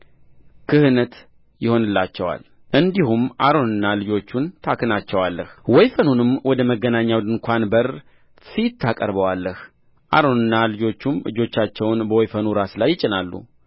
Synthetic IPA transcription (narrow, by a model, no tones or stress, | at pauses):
kʰɨhɨnət̪ | jɪho̞nɨlːat͡ʃːɛwa̰l | ʔɨnd̪ihumʔaɾo̞nɨnːalɨd͡ʒo̞t͡ʃːunt̪ʰakʰɨnat͡ʃːɛwalːəhwɔjfənunɨmwɔd̪əməɡːənaɲːawd̪ɨnkʰʷanbər | fit̪ʰːakʼə̰ɾbəwalːəh | ʔa̰ɾo̞nɨnːalɨd͡ʒo̞t͡ʃːumɨ̰d͡ʒo̞t͡ʃːat͡ʃːɛwnbəwɔjfənuɾaslajːɪt͡ʃʼːɪnalːṵ